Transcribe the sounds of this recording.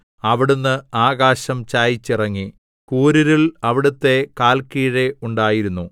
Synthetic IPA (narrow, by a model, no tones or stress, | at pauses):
ɐʋiɽunːɨaːɣaːɕɐmt͡ɕaːjit͡ɕːirɐŋːi | kuːɾuɾiɭɐʋiɽut̪ːe̞kaːlkiːɻeuɳɖaːjiɾunːu